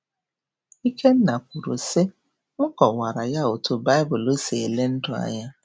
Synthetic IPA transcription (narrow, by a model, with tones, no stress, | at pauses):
i˦kʰe˦n̩˦na˨kʷu˨ɾo˨sɪ˦ | ʊ˦kɔ˨wa˨ɾa˨ja˦o˨tʊ˨ba˦ɪ˦bʊ˨lo˦se˨le˦n̩˦dʊ˨a̰˨ɲa˦